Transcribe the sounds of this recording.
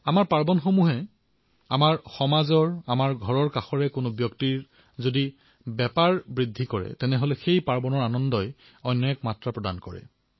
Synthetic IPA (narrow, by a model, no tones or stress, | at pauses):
amaɹpaɹbɔnxomuɦɛ | amaɹxɔmazɔɹamaɹɡʱɔɹɔɹkaxɔɹɛkʊnʊbjɔktiɹ | zodi | bɛpaɹbɹidʱːikɔɹɛ̰tɛnɛɦolɛxejpaɹbɔnɔɹanɔndɔj | ɔjnːɔɛkmatɹapɹɔdankɔɹɛ̰